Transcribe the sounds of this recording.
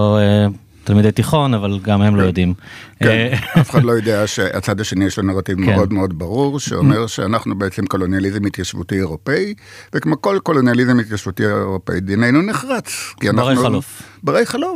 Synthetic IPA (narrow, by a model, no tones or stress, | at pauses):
oe | t̪almid̪ejtiχo̞navalɡamhemlojodimkenafe̥χadlo̞jodeaʃea̰t͡sadaʃe̞nijeʃlonaʁativmḛʔo̞d̪meo̞d̪baʁuʁʃeome̞ʁʃeanaχnubeet͡semko̞lo̞njalizemit̪jaʃvṵtieʁo̞pei | vekmoko̞lko̞lo̞njalizemit̪jaʃvutieeʁo̞pḛid̪ine̞jnuneχʁat͡skiananuofbaʁejχalof